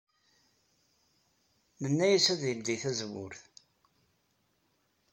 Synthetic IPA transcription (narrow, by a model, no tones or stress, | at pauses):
mənːæjæsæðjəmd̪iθæzwʊ̰ɾθ